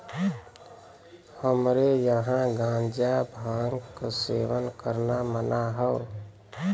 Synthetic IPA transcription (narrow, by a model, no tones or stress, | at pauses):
həmɾejəɦãɡãnd͡ʒabʱãŋɡkəseʋənkəɾnamənaɦə